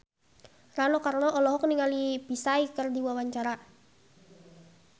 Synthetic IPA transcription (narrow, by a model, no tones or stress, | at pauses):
ranɔkarnɔʔɔlɔɦɔk̚niŋalipisaikərdiwawaɲt͡ʃaɾa